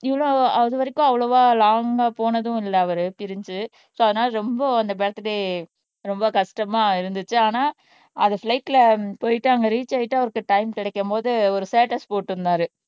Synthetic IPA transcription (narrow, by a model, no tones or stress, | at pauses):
ɪʋɐɭoːɐðɯʋɐɾɪkːʊ̃ɐʋːɐɭoʋaːlaːŋɡɐpoːnɐðʊ̃ɪlːɐːʋɐɾɯpɪɾɪɲd͡ʒɯ | soːɐðɯnaːlɐɾɔmbɐɐnd̪ɐbɛːɽɐt̪ːɯɽe | ɾɔmbɐkɐʂʈɐmaːɪɾɯnd̪ɯt͡ʃːɯaːnaː | ɐðɐflɐɪʈːɪlɐpoːjɪʈːaːŋɡɐɾiːt͡ʃːaːɪʈːɯɐʋɐɾɯkːɯʈɐɪmkɪɽɛkːɐmpoːðɯɔɾɯseːʈɐspoːʈːɪɾɯnd̪aːɾɯ